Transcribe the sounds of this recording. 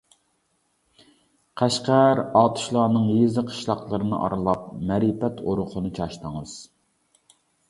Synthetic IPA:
qʰæʃqæɾɑt̪ʰu̥ʃlˠɑːnɨŋjezɨqʰə̥ʃlˠɑqlˠɨɾɨnɨ̰ʔɑ̰ɾɨlˠɑp̚mɛɾipɛt̪ʰoɾʊqʰʊnɨt͡ʃʰɑʃt̪əŋɨz̥

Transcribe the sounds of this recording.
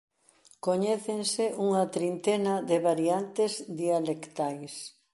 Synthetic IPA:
koɲɛθensɪʔuŋɐt̪ɾint̪enɐðɪβaɾiant̪ɪzd̪ialekt̪ajs

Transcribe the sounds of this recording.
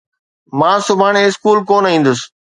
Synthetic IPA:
mãːsʊbʱaːɽ̃eɪskuːlkoːnĩːn̆d̪ʊsɪ̥

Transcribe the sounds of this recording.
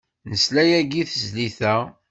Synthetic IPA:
nəslæjæɡiθəzliθæ

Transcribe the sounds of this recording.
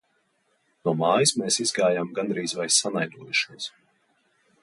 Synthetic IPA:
nuɔmaːjismeːsizɡaːjaːmɡand̪ɾiːzvajsanajd̪uɔjuʃiɔs

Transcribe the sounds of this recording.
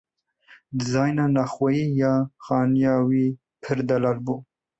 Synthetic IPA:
d̪ɨzɑːjnanɑxwajiːjɑːxɑːnjɑːwiː | pʰɨɾd̪alalbuː

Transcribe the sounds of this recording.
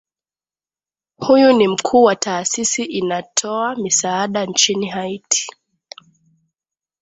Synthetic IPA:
hujunim̩kʰuːwataːsisiʔinatʰɔamisaːɗant͡ʃiniɦaitʰi̥

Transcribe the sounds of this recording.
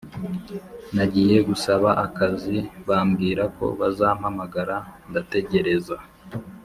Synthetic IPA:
naɟiːje̞ɡusaβaʔakaziβaːmɡiːɾako̞̰βazaːm̥hamaɡaɾandate̞ɟe̞ɾe̞za

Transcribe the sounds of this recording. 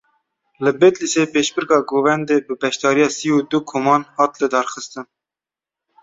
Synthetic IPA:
lɨbet̪lisepeːʃbɨɾkɑːɡoːvɛnd̪eːbɨbɛʃt̪ɑːɾijɑːsiuːd̪ukʰoːmɑːnhɑːt̪lɨd̪ɑːɾxɨst̪ɨn

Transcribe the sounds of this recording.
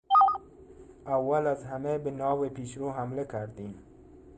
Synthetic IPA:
awːalazɦamebənɑːwepiʃɾoɦamlakʰaɾd̪im

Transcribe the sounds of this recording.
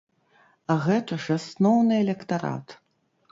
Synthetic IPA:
ɐɣɛt̪ɐʐasnɔwnɨɛlʲɛkt̪aɾa̰t̪

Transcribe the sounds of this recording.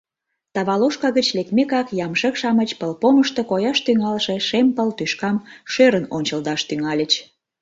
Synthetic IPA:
t̪ɑβɑloʃkɑɣət͡ɕlek̚mekɑkjɑmʃəkʃɑmət͡ɕpəlpoməʃt̪okojɑʃt̪yŋɑlʃeʃempəlt̪yʃkɑmʃøɾənonʲt͡ɕəld̪ɑʃt̪yŋɑlʲət͡ɕ

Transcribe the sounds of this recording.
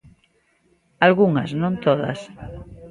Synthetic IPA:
alɣuŋaznõnt̪oða̰s

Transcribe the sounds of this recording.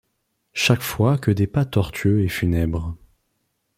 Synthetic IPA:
ʃakfwakəd̪epat̪ɔʁt̪ʰɥøefynɛbʁ

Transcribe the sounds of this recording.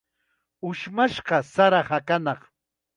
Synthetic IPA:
ʊʃmaʃɢɑsaɾahakanɑχ

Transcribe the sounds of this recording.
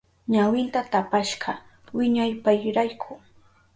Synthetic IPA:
ɲawɪnt̪at̪apaʃɢɑ | wɪɲajpajɾajkʰʊ

